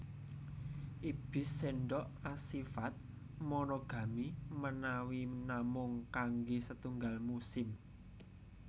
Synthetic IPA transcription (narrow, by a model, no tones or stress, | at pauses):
ʔib̥ɪ̤seɳɖɔʔasifat̪̚ | mɔnoɡ̥ä̤mimənawinamʊŋkaŋɡesət̪uŋɡalmusɪm